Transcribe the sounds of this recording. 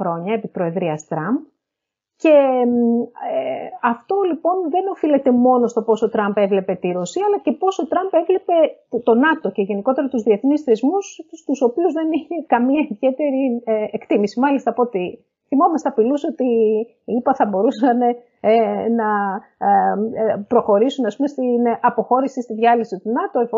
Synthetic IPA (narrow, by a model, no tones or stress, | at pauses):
ɾo̞ɲɐepipɾo̞e̞ðɾiɐst̪ɾɐmb̚ | ce̞ | eɐft̪o̞lipo̞nðe̞no̞file̞t̪e̞mo̞no̞st̪o̞po̞so̞t̪ɾɐmbe̞vle̞pe̞t̪iɾo̞siɐlɐce̞po̞so̞t̪ɾɐmbe̞vle̞pe̞t̪o̞nɐt̪o̞ceʝe̞niko̞t̪e̞ɾɐt̪uzðie̞θnisθe̞zmusst̪uso̞piuzðe̞niçe̞kɐmiɐiðʝe̞t̪e̞ɾiekt̪imisimɐlist̪ɐpot̪i | θimo̞mɐst̪eɐpiluso̞t̪i | ipɐθɐbo̞ɾusɐne̞ | nɐ | pɾo̞xo̞ɾisunɐspumest̪inɐpo̞xo̞ɾisist̪iðʝɐlisit̪unɐt̪oe